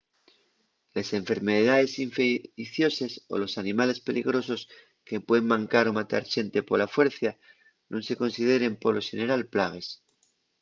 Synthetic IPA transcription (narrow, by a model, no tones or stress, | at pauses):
lese̞ɱfe̞ɾme̞ðaðe̞siɱfeθjo̞se̞so̞̰lo̞sanĩmale̞spe̞liɣ̞ɾo̞so̞s | ke̞pweðemmãŋkaɾo̞mat̪a̰ɾʃe̞nt̪e̞po̞lafwe̞ɾθja | nõnse̞ko̞nsið̞e̞ɾe̞mpo̞lo̞ʃene̞ɾalplaɣ̞e̞s